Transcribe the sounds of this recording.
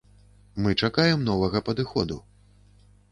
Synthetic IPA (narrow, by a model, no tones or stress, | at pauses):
mɨt͡ʂakajɛmnɔvɐɣɐpɐd̪ɨxɔd̪u